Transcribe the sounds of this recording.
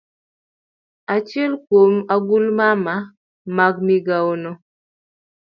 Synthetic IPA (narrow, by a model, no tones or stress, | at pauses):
at͡ʃjɛlkwomaɡulmama | maɡmiɡaonɔ